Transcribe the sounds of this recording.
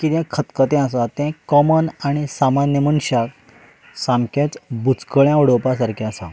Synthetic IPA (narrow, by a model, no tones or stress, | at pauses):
kit̪ɛ̃kʰət̪kət̪ɛ̃asãt̪ɛ̃kɔmənaɽ̃isamanjəməɳɕak | sãmket͡sbut͡skəɭjãʋəɽopas̬aɾkʰiasã̰